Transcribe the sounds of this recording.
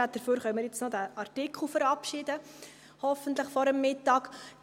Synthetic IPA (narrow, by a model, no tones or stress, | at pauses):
at̚d̥əɾføːɾχœməɾjɛt͡snɔdæʔɑrtikχl̩ˠfəɾɑpʃɪdə | hɔfəntləχfɔɾəmːɪtɑːk